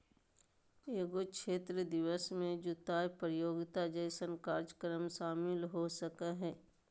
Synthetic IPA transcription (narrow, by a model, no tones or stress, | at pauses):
eːɡokʃeːt̪ɾəd̪ɪʋəsmẽd͡ʒʊt̪aːjpɾjoːɡɪt̪ad͡ʒəɪsənkaːɾd͡ʒəkəɾəmʃaːmɪlɦosəkaɦɛː